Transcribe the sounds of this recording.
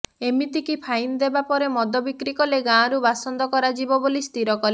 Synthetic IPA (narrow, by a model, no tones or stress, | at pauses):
emit̪ikipʰajnd̪ebapɔɾemɔd̪ʱɔbikɾikɔleɡãːɾubasɔnd̪ɔkɔɾad͡ʒibɔbolist̪iɾɔkɔle